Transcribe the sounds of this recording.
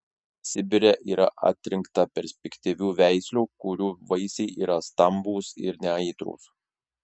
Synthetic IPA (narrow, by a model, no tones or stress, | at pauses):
sʲɪbʲɪɾʲɛʔiːɾɐ̰ʔɐ̰ːt̪ʲɾʲɪŋkt̪ɐpʲɛɾʲsʲpʲɛkʲt̪ʲiʋʲuːʋʲæˑɪsʲlʲuːkʊɾʲuːʋɐɪsʲɛɪʔiːɾɐst̪ɐmbuːsɪ̰ɾnʲɛɐɪt̪ɾṵːs